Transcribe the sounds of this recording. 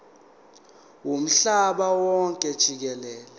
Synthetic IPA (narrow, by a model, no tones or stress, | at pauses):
wum̩ɬaɓawɔŋkʼɛd̥ʒ̥ʱik̬ɛlɛːlɛ